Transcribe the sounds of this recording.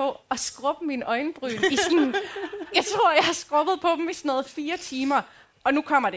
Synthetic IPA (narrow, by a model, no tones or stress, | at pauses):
ɒ̽ɒ̽sɡ̥ʁɔ̽b̥əminɒ̽ɪnb̥ʁy̰ːisnjɑ̈ɪt͡sʰʁo̝ɐ̰jɑ̈ɪhɑ̈sɡ̥ʁɔ̽b̥ð̞̩ˠpʰɒ̽b̥m̩isnɔːð̩ˠfiːɐt͡sʰiːmɐ | ɒ̽nukʰɒ̽m̰ɐd̥e